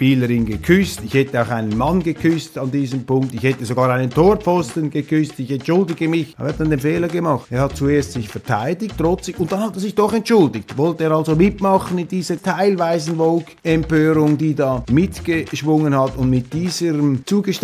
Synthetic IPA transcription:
piːləɾɪnɡəkʰʏstɪçhɛtəaʊxaɪnənmɑnɡəkʰʏstɑndiːzəmpʊŋk̚tɪçhɛtəzoɡɑːɾaɪnəntʰoːfɔstənɡəkʏstɪçɛntʃʊldɪɡəmɪç̰hɑtd̥ɑndeːnfeːləɡəmɑχteːɐhɑt̚t͡sueːɐsstsɪçfɛɐtʰaɪdɪktʁɔt͡sɪʊnt̚d̥ɑnhɑteɐzɪçd̥ɔχɛntʃʊldɪktvɔltəeːɐɾɑlzomɪtmɑχənɪndiːzətʰaɪlvaɪzn̩vɔlkɛmpøːɾʊŋdiːdɑːmɪtɡ̥əʃvʊŋənhɑtʊndmɪt̚d̥iːzəɾəmt͡suːɡəʃ

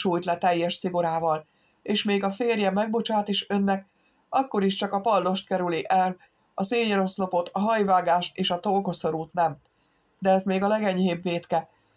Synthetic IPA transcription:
ʃuːjt̪lɛt̪ɛjːɛʃsiɡo̞ɾaːvɒl | eːʃmeːɡɒfeːrjɛmɛɡ̚bo̞t͡ʃaːt̪iʃø̞nːɛk | ɒkːo̞ɾiʃt͡ʃɒkɒpɒlːo̞ʃt̪̚kɛɾyliʔɛl | ɒseːɲɒɾo̞slo̞po̞t̪ɒɦɒjvaːɡaːʃt̪eːʃɒt̪o̞lko̞so̞ɾuːt̪nɛm | d̪ɛɛzmeːɡɒlɛɡɛɲheːbveːt̪kɛ

